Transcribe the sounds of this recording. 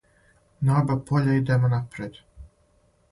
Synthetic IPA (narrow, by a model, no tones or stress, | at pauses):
naːbapʰoʎʲaid̪emonapɾed̪